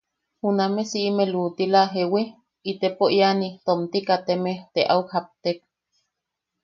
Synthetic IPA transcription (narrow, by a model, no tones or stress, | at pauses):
hunamesiʔimeluːt̪ilaɦewe | it̪epoianit̪omt̪ikat̪emet̪eʔaukhap̚t̪ek̚